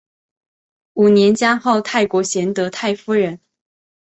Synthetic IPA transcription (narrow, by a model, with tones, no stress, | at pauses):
u˨˩njɛ˧˥nt͡ɕja˥ŋxo˥˧ʊt̪ʰa˥˩ɪkwɔ˧˥ɕjɛ˧˥nt̪ɤ˧˥t̪ʰa˥˩ɪfu˥ɻə˧˥n